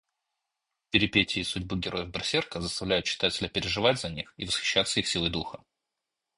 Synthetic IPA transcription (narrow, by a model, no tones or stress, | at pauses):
pʲɪɾʲɪpʲetʲɪːsʊdʲbɨɡʲɪɾʔo̞jəvbɾɐsʲerkəzəst̪ɐvlʲæjʊt̪t͡ɕɪ̥t̪atʲɪlʲəpʲɪɾʲɪʐɨvadʲzɐnʲixivəsxʲɪ̥ɕːat̪səixsʲilˠəjd̪uxə